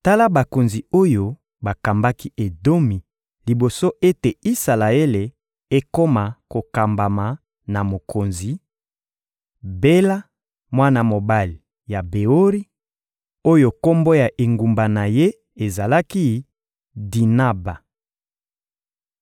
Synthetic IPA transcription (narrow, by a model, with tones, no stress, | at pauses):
ta˦la˦ba˨ko˨nzi˨o˦jo˨ | ba˨ka˨mba˦ki˦ʔe˨do˦mi˨ | li˨bo˨so˦ʔe˦te˨i˦sa˨la˨e˦le˨ | e˦ko˦ma˨ko˨ka˨mba˨ma˨ | na˨mo˨kʰo˨nzi˨ | be˦la˦ | mwa˦na˨mo˨ba˦li˨ | ja˨be˨o˦ʁi˦ | o˦jo˨ko˦mbo˦ja˨ʔe˨ŋɡu˨mba˨na˨je˦ | e˨za˨la˦ki˦ | di˨na˦ba˨